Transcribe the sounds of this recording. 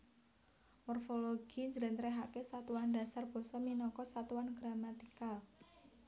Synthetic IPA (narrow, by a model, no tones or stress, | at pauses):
mɔrfoloɡ̥i̤ɲd͡ʒɾɛ̤nt̪ɾeɦakesat̪uwand̥a̤sarb̥ɔ̤sɔminɔkɔsat̪uwanɡ̥ɾamat̪ikal